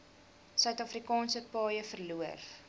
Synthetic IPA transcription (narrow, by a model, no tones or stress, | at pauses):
sœɥtɑfrikɑːnsəpɑːjəfərluər